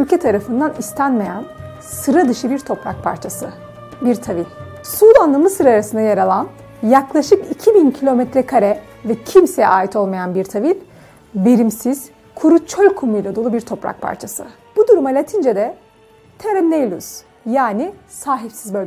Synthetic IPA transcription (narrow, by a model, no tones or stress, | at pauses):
ylʲcʰɛt̪ʰaɾafɯnd̪anist̪ʰænme̞jæn | sɯɾad̪ɯʃɯbiɾt̪ʰo̞pɾa̰k̚pʰa̰ɾt͡ʃʰasɯ | biɾt̪ʰavilʲ | suːd̪anlˠamɯsɯɾaːɾasɯnd̪ajaɾalˠan | jaklˠaʃɯkicʰibincʰilʲo̞mɛt̪ɾɛkʰaɾɛ | vɛcʰimsejɛ̰ʔaːjit̪ʰo̞lˠmajanbiɾt̪ʰavinʲ | be̞ɾimsiz̥ | kʰuɾut͡ʃʰølʲkʰumujlʲad̪o̞lˠubiɾt̪ʰo̞pɾa̰k̚pʰa̰ɾt͡ʃʰasɯ̰ | b̥ud̪uɾumalʲat̪ʰind͡ʒed̪ɛ | t̪ʰɛɾɛmnejlʲˠus | jaːnisaːɦipsizbø